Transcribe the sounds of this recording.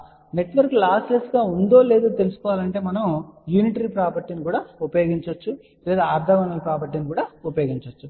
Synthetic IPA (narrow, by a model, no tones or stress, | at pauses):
ne̞ʈʋɐɾklaːslesɡaːund̪o̞ːle̞ːd̪oːt̪e̞lusukɔːʋaːlɐɳʈe̞ːmɐnɐmjuːniʈɐɾipɾaːpɐɾʈ̪inikuːɽaːupɐjoːɡiɲt͡ʃɐt͡ʃːu | leːd̪aːɾd̪ʱɐʋɐnɐlɐpɾaːpɐɾʈinikuːɽaːupɐjoːɡiɲt͡ʃɐt͡ʃːu